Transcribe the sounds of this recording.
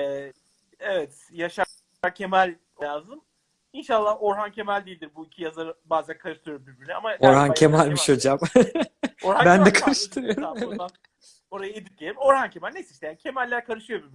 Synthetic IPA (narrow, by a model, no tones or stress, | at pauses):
ɛː | evɛt̪ | jaʃa | aɾcʰe̞mælʲːaːzɯm | inʃalˠːaho̞ɾɦancʰe̞mælʲd̪ijilʲd̪iɾbuicʰijazaɾɯbaːzænkʰaɾɯʃt̪ʰɯɾɯjoɾumbiɾbiɾnya̰maoɾɦancʰemælʲmiʃho̞d͡ʒam | oɾhabænd̪ɛkʰaɾɯʃt̪ʰɯɾɯjo̞ɾuaevɛa | o̞ɾajaed̪ik̚ɟʲelʲimo̞ɾhancʰe̞mælʲnesiʃt̪ejaːnicʲʰe̞mælʲːæɾkʰaɾɯʃɯjo̞biɾb